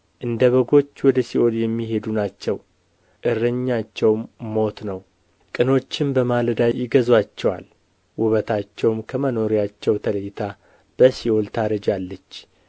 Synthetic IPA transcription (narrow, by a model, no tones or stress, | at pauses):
ʔɨnd̪əβəɡo̞t͡ʃːwɔd̪əsiʔo̞ljɛmːiɦe̞d̪unat͡ʃːɛw | ʔɨrːəɲːat͡ʃːɛwmmo̞t̪nəw | kʼɨno̞t͡ʃːɪmbəmaləd̪ajɪɡəzwat͡ʃːɛwa̰l | wʊβət̪ʰat͡ʃːɛwmkʰəməno̞ɾijat͡ʃːɛwt̪ʰələjɪt̪ʰa | b̥əsiʔo̞lt̪ʰaɾəd͡ʒalːət͡ʃː